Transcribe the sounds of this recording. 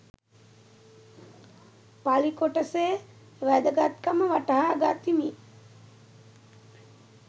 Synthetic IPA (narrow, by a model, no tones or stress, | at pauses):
palikoʈəseː | ʋæd̪əɡat̪kəməʋaʈəɦaɡat̪imi